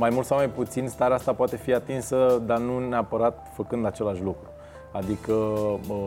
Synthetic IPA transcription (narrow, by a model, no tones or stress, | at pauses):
majmult̪sawmajput̪sinst̪aɾeast̪apoat̪e̞fiat̪insəd̪anuneapəɾat̪̚fəkɨnd̪at͡ʃe̞laʃlukɾu | ad̪ikəə